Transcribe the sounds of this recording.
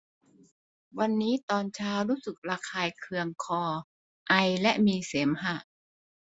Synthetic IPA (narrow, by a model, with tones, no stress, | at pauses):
wa˧nːiː˦˥t̪ɔː˧nt͡ɕʰaː˦˥wɾuː˦˥sɯ˨˩k̚ɾaː˧kʰaː˧jkʰɯ˧əŋkʰɔː˧ | ʔa˧jlɛ˦˥ʔmiː˧seː˩˦mɦa˧˩ʔ